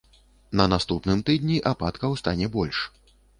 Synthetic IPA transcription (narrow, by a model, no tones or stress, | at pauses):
nɐnast̪upnɨmt̪ɨd̪ʲnʲiʔapat̪kɐwst̪anʲɛbɔlʲʂ